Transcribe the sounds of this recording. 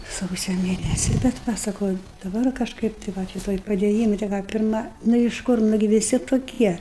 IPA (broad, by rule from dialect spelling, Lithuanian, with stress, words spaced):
ˈsɐʊsʲoː ˈmʲeːnʲɛsʲɪ bʲɛt ˈʋɐ sɐˈkɐʊ ɪ dɐˈbɐr kɐʃˈkɐɪp tɐɪ ˈʋɐ ˈʃʲɪtoː ɪ pɐdʲeːˈjiːmɐ tʲɛ ˈkɑː ˈpʲɪrmɐ nʊ ɪʃ ˈkʊr ˈnʊɡʲɪ ʋʲɪˈsʲɪ toːˈkʲiɛ